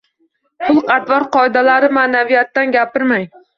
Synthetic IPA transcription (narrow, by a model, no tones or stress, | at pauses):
pʰʊlˠqʰɑt̪vɒɾqʰɒɪd̪alaɾɪmanavijat̪ːanɡʲapɪɾmaj